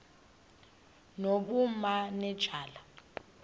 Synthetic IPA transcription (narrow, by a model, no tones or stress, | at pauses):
nok̬umanɛd̥ʒ̥ʱaːla